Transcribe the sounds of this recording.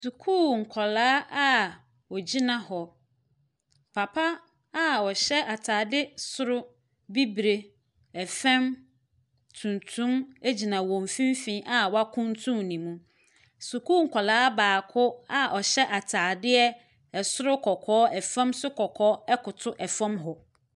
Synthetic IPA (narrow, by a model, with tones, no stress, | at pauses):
su˨kʰuː˦˨ŋ̩˨kʰɔ˨laː˦a˦ | ɔ˨d͡ʑi˦nã˨hɔ˨ | pʰa˨pʰa˦ | a˦ɔ˨ɕɛ˦ʔa˨tʰaː˨dɪ˦sʊ˦ɾʊ˦ | bi˦bɾe˨ | ɛ˨fɛ̃˦m | tʰũ˨ntʰũ˦me˦d͡ʑi˨nã˨wɔ̃˨m˨fĩ˦m˦fĩ˦ʔa˨wɔ˦a˦kʰʊ̃˦ntʰũ˦mnĩ˨mũ˦ | su˨kʰu˦˨ŋ̩˨kʰʷɔ˨laː˦baː˨kʰʊ˦a˦ʔɔ˨ɕɛ˦ʔa˨tʰaː˨dɪ˦ɛ˦ | ɛ˨sʊ˦ɾʊ˦kʰɔ˨kʰɔː˦ɛ˨fɛ̃˦msʊ˦kʰɔ˨kʰɔː˦ɛ˦kʊ˨tʰʊ˦ʔɛ˨fã˦mɦɔ˨